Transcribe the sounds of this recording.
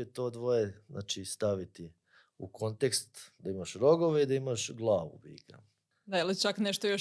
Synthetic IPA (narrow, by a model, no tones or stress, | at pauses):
et̪o̞ːd̪ʋojeznʔa̰ːt͡ʃist̪aʋit̪i | uko̞nt̪ekst̪d̪aimaʃɾo̞ɡoʋeid̪aimaʃɡlˠaːʋṵbḭːka̰ | d̪aelit͡ʃakneʃt̪ojo